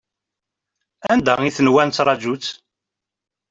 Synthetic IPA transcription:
ænd̪æiθnwænt͡s̪ːɾˤɑd͡ʒut͡sː

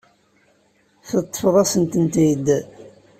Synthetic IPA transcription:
θət̪ˤːə̥fðˤɑsənt̪ənt̪id̪

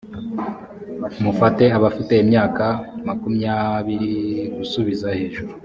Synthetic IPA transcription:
mufate̞aβafiteimɲaːkamakumɲaβiɾiɡusuβizahe̞ːʒuɾu

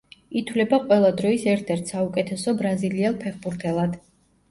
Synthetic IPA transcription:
it̪ʰwlɛbaqʼwɛlˠad̪ɾɔisɛɾt̪ʰɛɾt̪ʰsaukʼɛt̪ʰɛsɔbɾaziliɛlˠpʰɛχbuɾt̪ʰɛlˠad̪̥

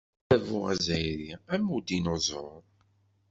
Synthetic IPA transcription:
ævuæ̰zæjɾiæmud̪inozˤoɾˤ

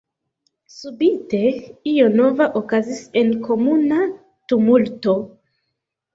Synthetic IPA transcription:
subite̞iono̞vaʔokazise̞nko̞muna | tumulto̞

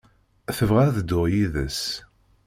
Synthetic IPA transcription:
θəvʁæɾðd̪ːʊʁjiðəs

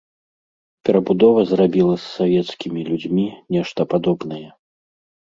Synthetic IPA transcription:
pʲɛɾɐbud̪ɔvɐzrabʲilˠɐsːavʲɛt̪skʲimʲilʲud͡zʲmʲinʲɛʂt̪ɐpad̪ɔbnɐjɛ

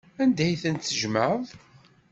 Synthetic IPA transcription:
ænd̪æjθænt̪ːəʒməðˤ

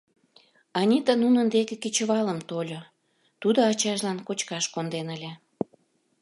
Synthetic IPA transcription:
ɑnʲit̪ənunənd̪ekekit͡ɕə̆βɑləmt̪olʲo | t̪ud̪oɑt͡ɕɑʒlɑnkot͡ɕkɑʃkond̪enəlʲe

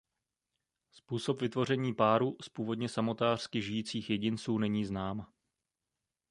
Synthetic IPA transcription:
spuːso̞pvɪt̪vo̞rɛɲiːpaːɾuspuːvo̞d̪ɲɛsamo̞t̪aːr̥skɪʒɪjiːt͡siːxjɛɟɪnt͡suːnɛɲiːznaːm

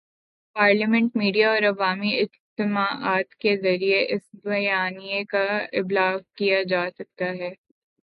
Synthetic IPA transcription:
paːɾləmɛ̃ɳʈ̚miːɖijaɔːɾɐʋaːmiɪd͡ʒt̪ɪmaːʔaːt̪kezɐɾieʔɪsbɐjaːnijekaɪblaːɡkijad͡ʒaːsɐk̚t̪aɦɛː

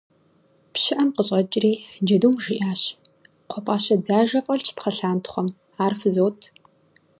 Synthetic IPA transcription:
pɕɪʔɐmqəɕʼɐt͡ʃʼriːd͡ʒɐduːmʒiʔaːɕ | qʷʰɔpʼaːɕɐd͡zaːʒɐfʼɐɬt͡ʃʰpχɐɬaːntʰχʷɔm | aːrfzoːtʰ

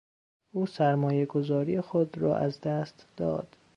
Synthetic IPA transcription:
ʔuːsæɾmɒːjeɡo̞zɒːɾiːjexod̪rɒ̰ːʔæzd̪æst̪d̪̥ɒ̰ːd̪̥

